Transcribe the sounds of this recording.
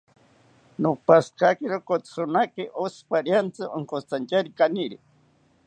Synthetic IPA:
nopaskakiɾokot͡sonakeʔospaɾjant͡sɨʔoŋkot͡sant͡ʃaɾikaniɾi

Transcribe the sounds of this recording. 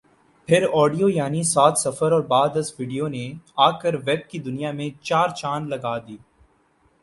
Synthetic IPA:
pʰɪɾɔːɖijojaːnisaːt̪sɐfəɾɔːɾbaːd̪ɐsʋiːɖijoneaːkəɾʋɛːb̚kid̪ʊnijamẽt͡ʃaːɾt͡ʃaːnlɐɡaːd̪iː

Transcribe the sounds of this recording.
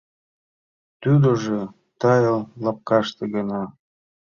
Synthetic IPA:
t̪yd̪oʒe | t̪ɑjəllɑp̚kɑʃt̪eɣənɑ

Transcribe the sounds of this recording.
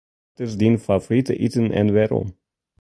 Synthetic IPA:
təzdinfavoɾitə̰ʔitənʔɛ̰nʋɛɾɔ̰m

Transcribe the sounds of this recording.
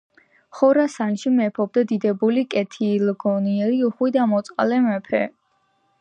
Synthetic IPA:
χɔɾasanʃimɛpʰɔb̚d̪ad̪id̪ɛbulikʼɛt̪ʰilɡɔniɛɾiuχwid̪amɔt̪sʼqʼa̰lɛmɛpʰɛ

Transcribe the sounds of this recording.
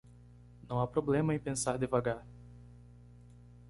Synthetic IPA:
nɐ̃w̃apɾoblẽmɐẽpẽsaɾd̪evaɡaɾ

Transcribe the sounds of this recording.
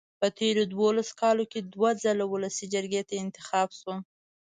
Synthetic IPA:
pət̪ʰeɾod̪wolaso̥kɑloked̪wazəlawʊləsid͡ʒəɾɡet̪aɪnt̪ɪxɑbʃo

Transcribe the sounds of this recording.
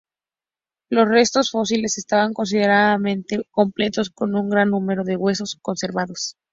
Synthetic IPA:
lo̞sre̞st̪o̞sfo̞sile̞se̞st̪aβaŋko̞ns̬ið̞e̞ɾaðamẽ̞nt̪eko̞mple̞t̪osko̞nũŋɡɾanːũme̞ɾo̞ðe̞ɣwe̞so̞sko̞nse̞ɾβaðo̞s

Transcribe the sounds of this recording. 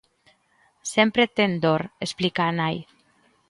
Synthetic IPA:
sempɾet̪end̪oɾesplikanaj

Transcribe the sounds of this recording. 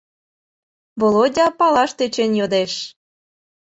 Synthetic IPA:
βolodʲɑpɑlɑʃt̪et͡ɕenjod̪eʃ

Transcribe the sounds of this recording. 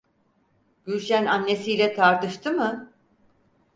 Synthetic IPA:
b̥yɾʃænanːe̞sijlʲɛt̪ʰaɾt̪ɯʃt̪ʰɯmɯ

